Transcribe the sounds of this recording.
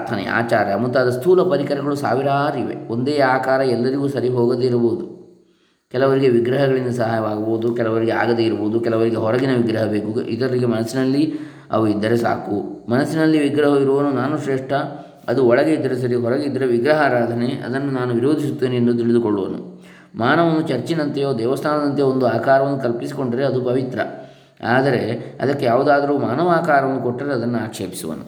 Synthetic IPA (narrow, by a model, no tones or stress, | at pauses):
ɾt̪ʰɐnḛa̰ːt͡ʃaːɾjɐmut̪ːɐːd̪ɐst̪ʰuːlɐpɐɾikɐɾɐɡɐɭusa̰ːʋiɾaːɾiʋḛond̪eːaːkaːɾɐɛlːɐɾiɡuːsɐɾiɦoːɡɐd̪eiɾɐboːd̪u | kɛlɐʋɐɾiɡe̞ʋiɡɾɐɦɐɡɐɭind̪ɐsɐɦaːjɐʋaːɡɐboːd̪ukɛlɐʋɐɾiɡea̰ːɡɐd̪eiɾuboːd̪ukɛlɐʋɐɾiɡeɦɔɾɐɡinɐʋiɡɾɐɦɐbe̞ːkṵʔḭd̪ɐɾɐɾiɡe̞mɐnɐsːinɐlːi | ɐ̰ʋuid̪ːɐɾesa̰ːkumɐnɐsːinɐlːiʋiɡɾɐɦɐiɾuʋɐnunaːnuʃɾeːʂʈɐ | ɐd̪uɔɭɐɡe̞id̪ːɐɾes̬ɐɾiɦɔɾɐɡeid̪ːɐɾeʋiɡɾɐɦaɾaːd̪ʱɐneʔɐ̰d̪ɐnːunaːnuʋiɾo̞ːd̪ʱisut̪ːeːniend̪ut̪̬iɭid̪ukoɭːuʋɐ̰nṵ | maːnɐʋɐnːut͡ʃɐɾt͡ʃinɐnt̪ɐjoːd̪ɛːʋɐst̪ʰaːnɐd̪ɐnt̪ejoond̪uaːkaːɾɐʋɐnːukɐlpisikoɳɖɐɾeɐd̪upɐʋit̪ɾɐ̰ | aːd̪ɐɾe̞ɐ̰d̪ɐkːe̞jaːʋud̪aːd̪ɐɾuːmaːnɐʋaːkaːɾɐʋɐnːukoʈːɐɾeɐd̪ɐnːuaːkʂeːpi̥suʋɐ̰nṵ